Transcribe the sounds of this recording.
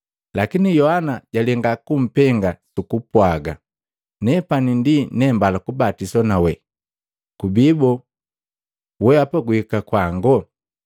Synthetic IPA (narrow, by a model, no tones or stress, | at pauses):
lakinijɔhanaɟ̥alɛŋɡakum̩pɛŋɡasukupwaɡa | nɛpanindinɛmbalakubatisɔnawɛ | kubibɔ | wɛapaɡuhikakwaŋɡɔ